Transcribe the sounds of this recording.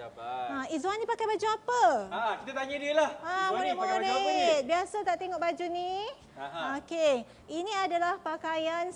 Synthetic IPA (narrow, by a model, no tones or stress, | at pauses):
aizwanĩpakajbad͡ʒuapəkit̪at̪aɲədiəlahamũɾɪt̪̚mũɾɪt̪̚biasat̪aʔt̪eŋɔʔbad͡ʒuni | oke | inĩadalahpakajan